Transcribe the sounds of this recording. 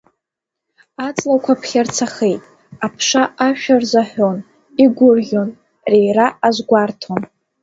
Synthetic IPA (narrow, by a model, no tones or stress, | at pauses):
at͡sʼlakʷʰapʰχʲart͡sʰaχejtʼ | apʰʂaʔaʃᶣarzaħᶣon | iɡʷʊrʒʲon | rejraʔazɡʷartʰon